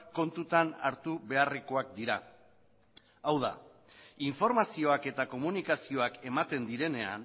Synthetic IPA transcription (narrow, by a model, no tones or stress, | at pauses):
ko̞nt̪ut̪anaɾt̪uβe̞areko̞ak̚d̪iɾa | awða̰ | iɱfo̞ɾmasio̞ake̞t̪ako̞munikasio̞ake̞mat̪e̞nd̪iɾe̞ne̞a̰n